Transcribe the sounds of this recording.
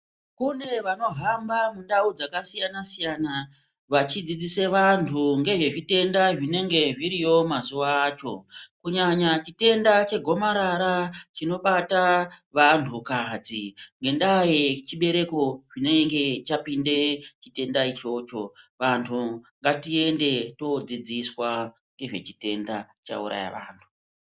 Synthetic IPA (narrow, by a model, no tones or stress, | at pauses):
kune̞ʋano̞ɦambamundaud͡zakasijanasijana | ʋat͡ʃid͡zid͡zise̞ʋantʰuŋɡe̞ʐe̞ʐite̞ndaʐine̞ŋɡe̞ʐiɾijo̞mazuʋaːt͡ʃo̞̰kuɲaɲat͡ʃite̞ndat͡ʃe̞ɡʱo̞maɾaɾat͡ʃino̞ɓataʋantʰukad͡ziŋɡe̞ndajet͡ʃiɓe̞ɾe̞ko̞ʐine̞ŋɡe̞t͡ʃapinde̞t͡ʃite̞ndait͡ʃo̞t͡ʃo̞ʋantʰuŋɡatie̞nde̞to̞d͡zid͡ziswa | ŋɡe̞ʐe̞̰t͡ʃi̥te̞nda | t͡ʃa̰ṵɾa̰ja̰ʋa̰ːntʰu̥